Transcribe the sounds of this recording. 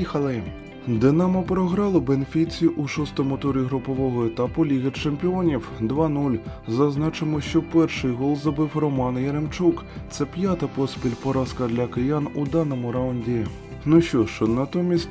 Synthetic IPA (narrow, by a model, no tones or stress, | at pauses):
ixɐlˠɪ | d̪ɪnɑmɐpɾɔɦɾɑlˠʊbenfʲit͡sʲiʔuʃɔst̪ɔmʊt̪uɾʲiɦɾʊpɔʋɔɦɔet̪ɑpʊlʲiɣet͡ʃempʲiɔnʲiwd̪ʋɑnulʲzɐznɑt͡ʃɪmɔʃt͡ʃɔpɛrʃɪjɦɔlˠzɔbɪwrɔmɑnjɐɾemt͡ʃukt̪sɛpʲjat̪ɐpɔsʲpʲilʲpɔɾɑskɐd̪lʲɐkejanud̪ɑnɔmʊɾɑwʊnʲdʲi | nuʃt͡ʃɔʃt͡ʃɔnɐt̪ɔmʲisʲtʲ